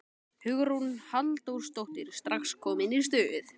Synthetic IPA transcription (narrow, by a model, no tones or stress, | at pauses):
hʏɣʏɾhunhalt̪owɾst̪owht̪ɪɾ̥st̪ɾaxskʰɔːmɪniɾ̥s̬t̪œːʏθ